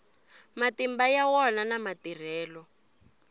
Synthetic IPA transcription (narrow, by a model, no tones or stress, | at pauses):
matimbajawɔnanamatir̤ɛːlɔ